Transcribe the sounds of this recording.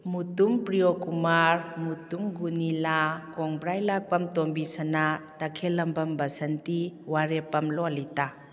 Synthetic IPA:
mutumpɾijokumaɾmutumɡunilakɔŋbɾajlak̚pɐmtombisɐnatɐkʰelɐmbɐmbɐsɐntiwaɾepɐmlɔlita

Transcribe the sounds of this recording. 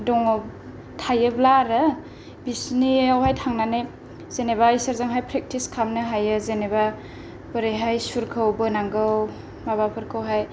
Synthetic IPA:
dɔŋɔ | tʰajɯblaɾɯ | bisniawhajtʰaŋnane | zenebaisaɾzaŋɦajpʰɾek̚tiskʰamnɯɦajɯzeneba | bɯɾeɦajsuɾkʰɯwbɯnaŋɡɯw | maβapʰɯɾkʰɯwɦaj

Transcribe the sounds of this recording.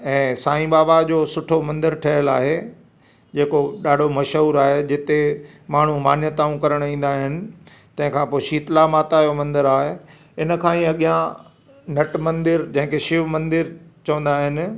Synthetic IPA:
ɛ̃ːsaːĩɓaːbad͡ʑoːsʊʈʰomɐ̃nd̪əɾʈʰɐɦəlaːɦe | d͡ʑeːkoɗaːɖʱomɐʃɦuːɾaːɦed͡ʑɪt̪e | maːɳ̤ũmaːnjət̪aːũkɐɾəɽ̃ĩːn̆d̪aːɦɪnɪ̆ | t̪ɐ̃ɦɪ̃kʰãːpoːɪʃiːt̪lamaːt̪ajomɐ̃nd̪əɾaːɦe | ɪnə̆kʰãːĩɐɠijã | nɐʈmɐ̃nd̪ɪɾd͡ʑɐ̃ɦɪ̃kʰeʃɪʋmɐ̃nd̪ɪɾt͡ɕɐʋə̃nd̪aːɦɪnɪ̆

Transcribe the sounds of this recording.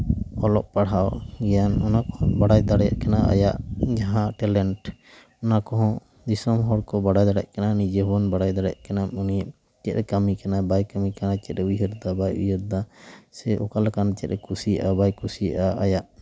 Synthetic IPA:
ɔlɔʔpaɽawɡɛjanɔnakɔhɔ̃baɽajd̪aɽja̰ʔkanaʔa̰jaʔd͡ʒaɦãʈɛlɛɳʈ | ɔnakɔɦɔ̃ | d̪isɔmɦɔɽkɔbaɽajd̪aɽɛ̰ʔkɛnanid͡ʒebɔnbaɽajd̪aɽɛja̰ʔkɛnamunijaʔ | t͡ʃɛt̪̚ɾɛkamikanabajkamikanat͡ʃɛt̪̚ɾɛujəɾd̪abajujəɾd̪asɛʔɔkalakanat͡ʃɛt̪̚ɾɛkusija̰ʔabajkusija̰ʔaajaʔ

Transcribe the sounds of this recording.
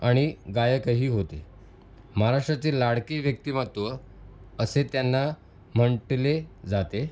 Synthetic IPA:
aɽ̃iɡajəkəɦiːɦot̪e | məɦaɾaʂʈɾat͡selaɽkeːʋjək̚t̪iːmət̪ʋə | əset̪janːa | m̤əɳʈled͡zat̪e

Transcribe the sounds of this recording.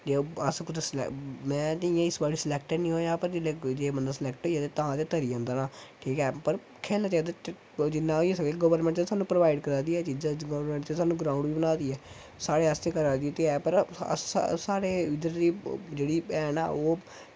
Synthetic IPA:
d͡ʒeːəskʊt͡ʃsl̰mɛ̃ːt̪ːiãːɪsbaːɽiːsəlɛːk̚ʈənĩːɦoːjãːpəɾd͡ʒeːled͡ʒeːbənd̪aːsəlɛːkʈɦoːiaːt̪eːt̪ãːt̪eːt̪əɾiːãːnd̪aːnaːʈʰiːkɛːpəɾ | kʰɛːnaːt͡ʃaːd̪at̪ | d͡ʒɪnːãːoiesəɡeɡəʋəɾmɛ̃ɳʈt͡ʃasaːnũːpɾəʋaːɪɖkəɾaːd̪iːɛːt͡ʃiːd͡ʒãːɡəʋəɾmɛ̃ɳʈt͡ʃesaːnũːɡɾãːʊũɳɖʋiːbənaːd̪iːɛː | saːɽeːaːst̪eːkəɾaːd̪iɛːt̪eɛːpəɾə̰ssaːɾeːʋɪd̪əɾd̪iːd͡ʒeːɽiːɛːna̰ːoː

